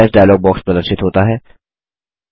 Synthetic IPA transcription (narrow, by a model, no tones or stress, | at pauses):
sɖaːjloːɡ̚bɔːkspələ̃nʃɪt̪ɦoːt̪aɦɛː